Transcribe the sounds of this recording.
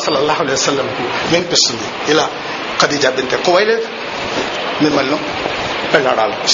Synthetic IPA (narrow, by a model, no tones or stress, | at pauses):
sɐlːɐlːaːɦuɐleːjʋɐsɐlːɐmkumeːnpist̪und̪i | ilaː | kɐd̪id͡ʒaːbɐnt̪ekːoʋaːjleːd̪u | mimːɐlnu | pɛɭːaːɽaːlu